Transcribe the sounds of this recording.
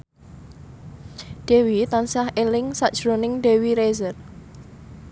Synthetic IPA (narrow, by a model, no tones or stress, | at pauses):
ɖ̥e̤wit̪ansahelɪŋsaʔd̥ʒ̥ɾonɪŋɖewiɾezər